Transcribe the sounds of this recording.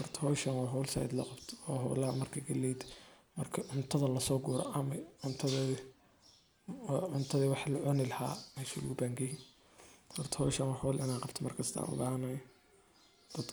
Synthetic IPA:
hɔrt̪ʰɐhɔʃɐnwɑːɦɔwlsa̰jd̪lɐ̰qɑbt̪ʰɔːɦɔ̰wlɐhɐmɐrkʰɐɡɐlɛjd̪ | mɐrkʰɐʕʊnt̪ʰɐðɐlɐsɔːɡuːɾɔ̰ʔɐmɐʕʊnt̪ʰɐð | ʕʊnt̪ʰɐðiwɑħlʊʕɔnɪlɐha̰ːmɛsʊ̰ɣʊbaːŋɡɐjin | hɔrt̪ʰɐ̥hɔʃɐnwɑħɔwlʔɪnaːqɑbt̪ʰɔmɐrkʰɐst̪ʰɐʔa̰ːnʊ̰ɣanɐj | d̪̥ɐd̪

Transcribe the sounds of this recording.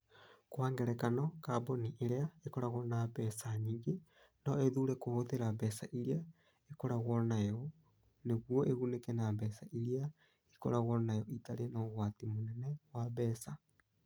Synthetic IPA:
kwaːŋɡɛɾɛkanɔkaboniʔeɾeaekɔɾaɣɔnabɛsaɲiɣe | nɔeðuɾɛkohoðeɾabɛsaʔiɾia | ekɔɾaɣɔnajɔ | neɣwɔʔeɣunekɛnabɛsaiɾia | ikɔ̰ɾaɣɔnajɔitaɾenɔɣwatimonɛnɛwaβɛːsa

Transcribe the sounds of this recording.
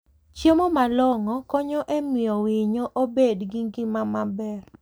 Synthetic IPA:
t͡ʃjemɔmalɔŋɔkɔɲɔʔemiɔwɪɲoʔobedɡiŋɡɪmamabɛr

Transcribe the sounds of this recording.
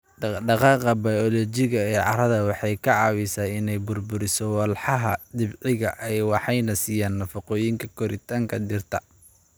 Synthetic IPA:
ɖɑqɑːqɐbɐjɔlɔt͡ʃɪɣɐɛːʕɑ̰ɾɐðɐwɑħɑjkʰɐʕɑːwisaːɪnɛjbʊrbʊɾɪsɔwɐlħɑɦɐd̪ɪbʕɪɣɐʔɛjwɑħɑjnɐsiːjaːnːɐfɑqɔːjɪŋkʰɐkʰɔɾɪt̪ʰaːŋkʰɐd̪ɪrt̪ʰɐ

